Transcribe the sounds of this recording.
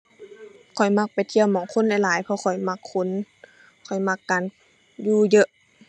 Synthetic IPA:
kʰɔ˨˩jma˧˥k̚pa˨jt̪ʰi˧˨əwmɔː˨˦ŋkʰo˧˥˨nlɛ˧˩jlaː˨˦jpʰɔ˧kʰɔ˨˩jma˧kʰːo˧˥˨n | kʰɔ˨˩jma˧kːaː˨n | juː˧˩jɤ˧ʔ

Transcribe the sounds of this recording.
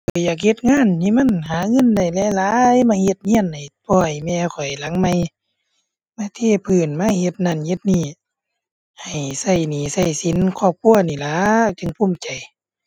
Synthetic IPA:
kʰɔ˨˧˩jaː˨˩k̬̚he˧˦t̪̚ŋaː˧˥˨nt̪ʰi˧˥˨ma˧˥˨nɦaː˨˦ŋɤ˧˥˨nda˧˩jlɛː˧˨laː˨˦jmaː˧˥˨he˧t̪̚ɲi˧˥˨nda˨jpʰɔː˧˩˨jmɛː˧kʰɔ˨˩jla˨˦ŋma˧˩j | maː˧˨t̪ʰeː˧˩˨pʰɯː˨˩nmaː˧˥˨he˧t̪̚na˧˩˨nhe˧˦t̪̚niː˧˩ | ha˨˩jsa˧˩jniː˨˩sa˧˩jsi˨˦nkʰɔː˧˩p̚kʰu˧˨ɐniː˧˩laː˨˦t͡ɕɯ˧˨ŋpʰu˧˨mt͡ɕa˨˩j

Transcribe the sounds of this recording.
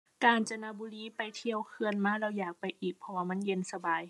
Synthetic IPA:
kaː˨nt͡ɕa˧naː˧buː˧liː˧˥˨pa˨jt̪ʰi˧əwkʰɯ˧ənmaː˧˥˨lɛː˧˩wjaː˨˩k̚pa˨jʔiː˨˩k̚pʰɔ˧waː˧˨ma˧˥˨nje˧˨nsa˧baː˨˩j

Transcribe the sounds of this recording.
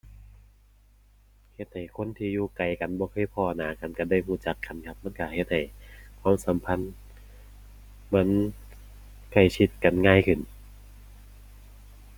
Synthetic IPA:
he˧t̪̚ha˨˩jkʰo˧˥˨nt̪ʰiː˧juː˧ka˨˩jka˨nbɔː˧kʰɤː˧˥˨jpʰɔː˧˩naː˨˦ka˨˦nka˧˩da˧˥˩jhuː˧˩t͡ɕa˧˦kʰːa˧˩˦nkʰa˧p̚ma˧˥˨nka˧˩he˧˦t̪̚ha˨˩jkʰwaː˧˥˨msa˨˦mpʰa˧˥˨n | ma˧˥˨n | kʰa˧˩jt͡ɕʰi˧˦t̪̚ka˨nŋaː˧˥˨jkʰɯ˧˩˨n

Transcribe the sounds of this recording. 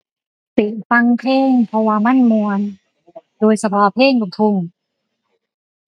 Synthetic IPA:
t̪i˨˩t̚fa˧ŋpʰeː˥˩ŋpʰɔ˧waː˧ma˥˨nmu˧ən | doː˧jsa˧pʰɔː˧˥pʰeː˥˩ŋko˧˩t̪ʰu˧˩ŋ

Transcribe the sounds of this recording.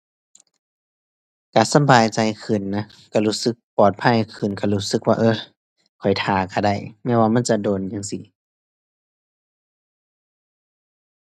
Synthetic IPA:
kaː˧˩˨sa˧˥˨baː˨jt͡ɕa˧˨jkʰɯ˧˩nːa˧˥ | ka˧˩luː˧˥sɯ˧˦k̚pɔː˨˩t̪̚pʰa˧˥˨jkʰɯ˧˩nka˧˩luː˦˧˥sɯ˧˦k̚waː˧ʔɤː˧˩ | kʰɔ˨˩jt̪ʰaː˨˩ka˧˩da˧˩jmɛː˧˥˨waː˧˨ma˧˥˨t͡ɕa˧˦doː˨njaː˧˨ŋsi˧˦

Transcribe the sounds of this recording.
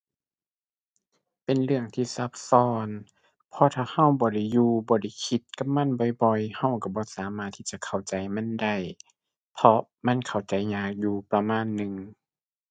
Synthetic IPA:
pe˨nlɯ˧˩əŋt̪ʰiː˧˩sa˧˦p̚sɔː˧n | pʰɔː˧t̪ʰaː˧˩ha˧˥˨wbɔː˧˦da˧˩jːuː˧bɔː˧˦da˧˩jkʰi˧˦t̪̚ka˧˦p̚ma˧˥˨nbɔ˧˦jbɔ˧jha˧˩˨wka˧˩bɔː˧˦saː˨˦maː˧˩t̪ʰːiː˧˥˩t͡ɕa˧˨kʰa˨˩wt͡ɕa˨˦jma˧˥˨nda˧˩j | pʰɔ˧ | ma˧˥˨nkʰa˧˩wt͡ɕa˨˦jɲaː˧˩k̚juː˧pɾa˧maː˧˥˨nːɯ˨ŋ

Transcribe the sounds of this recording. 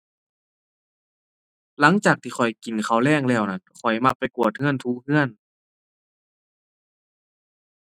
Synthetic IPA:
la˨˧˦ŋt͡ɕaː˨˩k̚t̪ʰiː˧xʰɔ˨˩jki˨˩nkʰa˧˩wlɛː˧˥˩ŋlɛː˧˩wna˧˩nkʰɔ˨˩jma˧˩k̚pːa˨˩jku˨˩ət̪̚ŋɯ˧˥ənt̪ʰuː˧˥hɯ˧˥ən

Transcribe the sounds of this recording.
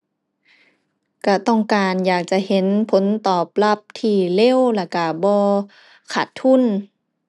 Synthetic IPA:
ka˧˩t̪ɔ˧˩ŋkaː˨njaː˨˩k̚t͡ɕa˧˨he˧˦npʰo˨˦nt̪ɔː˨˩p̚la˧˩p̚t̪ʰiː˧˩le˧˥˨wla˧˩ka˧˩bɔː˧ | kʰa˧˩t̪ʰːu˧˥˨n

